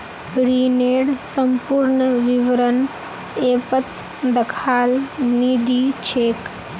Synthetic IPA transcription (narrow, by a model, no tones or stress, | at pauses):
ɡɾiːneːɽsəmpuɾɳəʋiʋəɾən | eːpət̪ | d̪ɐkʰaːlniːd̪it͡ʃʰeːk